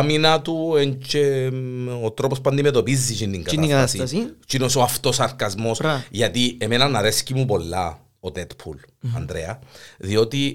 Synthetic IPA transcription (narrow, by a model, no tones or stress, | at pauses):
minɐt̪ueɲt͡ʃe | ot̪ɾo̞pospuɐnd̪imet̪o̞pizːit͡ʃint̪iŋɡɐinaiɐasist͡ʃinosoɐft̪o̞sɐɾkɐzmo̞sʝɐt̪iemenɐnɐɾescimup̬o̞lːɐ | ot̪et̪pʰulɐ̰nd̪ɾeɐðio̞t̪i